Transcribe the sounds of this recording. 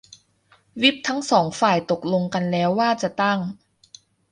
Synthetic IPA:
wi˦˥˩p̚t̪ʰa˦˥ŋsɔː˩˦ŋfaː˨˩jt̪o˨˩k̚lo˧ŋka˧nlɛː˦˥wːaː˥˩t͡ɕa˨˩t̪a˥˩ŋ

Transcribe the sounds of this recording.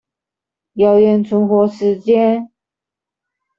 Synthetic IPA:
jɑ˧˥ʊjɛ˧˥nt͡sʰʊ˧˥ŋxwɔ˧˥ʂɻ̩˧˥t͡ɕjɛ˥n

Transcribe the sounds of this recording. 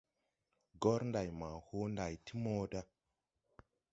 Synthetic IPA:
ɡo˦ɾnda˨jma˨ho˦nda˨jti˦mo˦da˦

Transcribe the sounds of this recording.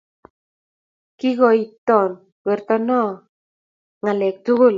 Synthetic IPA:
ki˦ɣɔ˨i˨t̪ɔ˨n | wɛ˨ɾt̪ɔ˦nɔ˦ | ŋa˨lɛ˨k̚t̪u˦ɣʊ˦˨l

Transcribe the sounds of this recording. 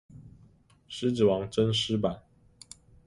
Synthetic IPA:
ʂɻ̩˥ʈ͡ʂɻ̩˨˩wɑ˧˥ŋʈ͡ʂə˥˦nʂɻ̩˥pa˨˩n

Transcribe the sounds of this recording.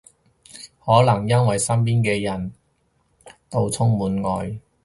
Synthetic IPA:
hɔː˨˥lɐ˨˩ŋjɐ˥nwɐ˨jsɐ˥mpiː˥nkɛː˧jɐ˨˩n | t̪o˧wt͡sʰʊ˥ŋmuː˨˥nŋɔː˨˧j

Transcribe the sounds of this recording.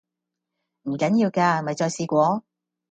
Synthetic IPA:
m̩˨˩kɐ˨˥njiː˧wkaː˧mɐ˨jt͡ʃɔː˧jsiː˧kʷɔː˨˥

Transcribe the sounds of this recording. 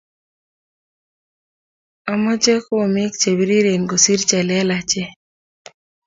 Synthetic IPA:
a˦mɔ˦d͡ʒe˦ku˦o˨mi˦k̚t͡ʃe˨wi˨ɾi˦ɾe˨ŋɡo˨si˦ɾt͡ʃɛ˨lɛ˦la˨t͡ʃɛ˦

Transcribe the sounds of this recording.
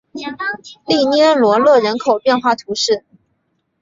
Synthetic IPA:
li˥˩njɛ˥nlwɔ˧˥lɤ˥˩ɻə˧˥nkʰo˨˩ʊpjɛ˥˧nxwa˥˩t̪ʰu˧˥ʂɻ̩˥˩

